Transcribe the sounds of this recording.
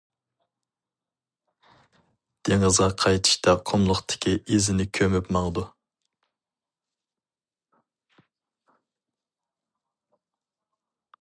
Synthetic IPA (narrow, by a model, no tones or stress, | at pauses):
d̪̥eŋɨzʁɑqʰɑjt̪ʰɨ̥ʃt̪ɑqʰomlˠʊχt̪ʰɪ̥kʲʰiʔezɪnɪkʲʰømypmɑŋd̪u